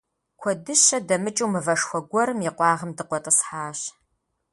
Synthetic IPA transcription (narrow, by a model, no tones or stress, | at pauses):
kʷʰɔdɨɕɐdɐmɨt͡ʃʼuwmɨvɐʂxʷɔɡʷɔɾɨmiqʷɑːʁəmdɨqʷɔtʼəsħaːɕ